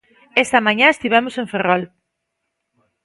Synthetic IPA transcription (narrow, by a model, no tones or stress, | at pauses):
est̪ɐmãɲaest̪iβ̞ɛmoseɱferɔl